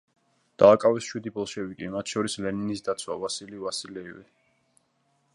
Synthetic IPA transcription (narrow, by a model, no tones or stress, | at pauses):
d̪̥aːkʼavɛsʃwid̪ibɔlˠʃɛbikʼimat̪ʰʃɔɾislɛninisd̪at̪sʰwa̰vasilivasilɛivɛ̰